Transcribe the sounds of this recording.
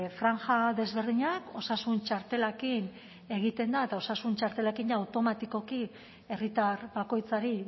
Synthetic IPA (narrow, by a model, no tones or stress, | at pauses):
fɾaŋxaðe̞zβe̞ɾðiɲako̞sasunt͡ʃaɾt̪e̞lakin | e̞ɣ̞it̪e̞nd̪aet̪ao̞sasunt͡ʃaɾt̪e̞lakinjaːwt̪o̞mat̪iko̞ki | e̞rit̪aɾβako̞jt͡saɾi